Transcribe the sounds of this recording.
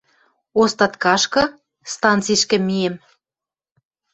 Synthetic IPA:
ost̪ɑt̪kɑʃkɤ̆ | st̪ɑnt͡siʃkɘ̆miem

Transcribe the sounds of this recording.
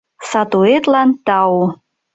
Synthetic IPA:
sɑt̪uet̪lɑnt̪ɑu

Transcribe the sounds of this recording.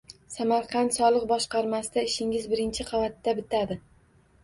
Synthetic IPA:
samaɾqʰɑnt̪sɒlˠɨq̚bɒʃqɑɾmasɪd̪aɪʃɪŋɪzbɪɾɪnt͡ʃʰɪqʰɑvat̪ːabɪt̪ʰad̪ɪ

